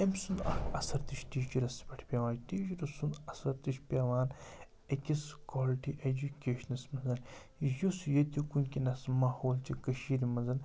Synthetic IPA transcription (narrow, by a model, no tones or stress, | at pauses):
emsund̪ɐɐsɐɾt̪iʃt̪iːd͡ʒiɾɐspʲɐʈʰpʲaːʋaːnʈ̪iːd͡ʒiɾɐsund̪ɐsɐɾt̪iʃʰpʲaːʋaːn | ekʲiskaːliʈiʔed͡ʒukʲeːʃnɐsmɐnzɐn | jusjɐt̪ikunkʲinɐsmaːhoːlt͡ʃikɐʃiːɾimɐnzɐn